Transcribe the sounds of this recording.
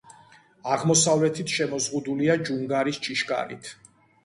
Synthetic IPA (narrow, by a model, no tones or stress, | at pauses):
aʁmɔsavlɛt̪ʰit̪ʰʃɛmɔzʁud̪uliad͡ʒuŋɡaɾist͡ʃʼiʃkʼa̰ɾḭt̪ʰ